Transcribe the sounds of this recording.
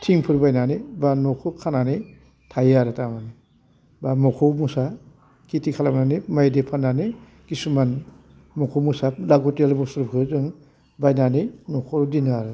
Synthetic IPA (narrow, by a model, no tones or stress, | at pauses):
tʰiŋpʰɯɾbajnanibanɔkʰɯkʰanane | tʰajaɾɯtamani | bamɔkʰɔwmusa | kitikʰalamnanimajdepʰanane | kisuman | mɔkʰowmusalaɡutelbɔsuɾpʰɯɾzɯŋ | bajnaninɔkʰɔɾdinaɾɯ